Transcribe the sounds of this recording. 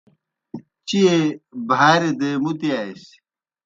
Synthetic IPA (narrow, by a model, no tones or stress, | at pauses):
t͡ɕiebʱaːɾed̪emut̪iaːis